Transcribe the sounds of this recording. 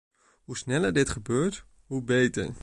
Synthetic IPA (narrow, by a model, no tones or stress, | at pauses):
ɦusnɛləɹdɪtχəbøːɹt | ɦubejtə̰ɹ